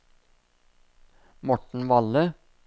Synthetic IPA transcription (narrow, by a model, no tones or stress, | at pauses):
mɔʈɳ̩ʋɑlə